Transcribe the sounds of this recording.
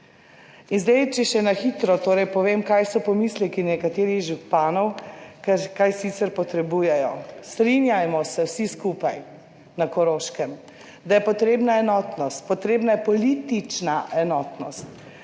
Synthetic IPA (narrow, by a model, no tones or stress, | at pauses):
inzd̪ajt͡ʃɛʃɛnaxit̪ɾɔt̪oːɾɛjpɔʋeːmkajsɔpɔmislɛkinɛkat̪eːɾixʒupaːnɔwkɛkajsit̪sɛɾpɔt̪ɾɛbuːjɛjɔst̪ɾinjajmɔsɛwsiskupaj | nakɔɾoːʃkɛm | d̪ajɛpɔt̪ɾeːbnaɛnɔt̪nɔst̪̚pɔt̪ɾeːbnajɛpɔlit̪it͡ʃnaʔɛnɔːt̪nɔst̪